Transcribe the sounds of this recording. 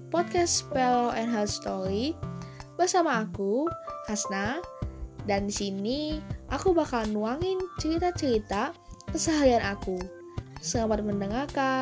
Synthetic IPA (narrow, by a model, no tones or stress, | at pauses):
pɔt̪̚kɛspɛlɔʔɛnɦɛlst̪oɾi | bərsamaːkuhasna | dandisiniʔakubakalnuaŋɪnt͡ʃəɾit̪at͡ʃəɾit̪akəsəɦaianʔaku | səŋamat̪̚məndəŋarka